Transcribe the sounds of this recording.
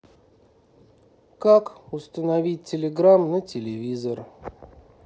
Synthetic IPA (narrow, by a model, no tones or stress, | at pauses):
kakʊst̪ənɐvʲit̚ʲtʲːɪlʲɪɡɾamnətʲɪlʲɪvʲizər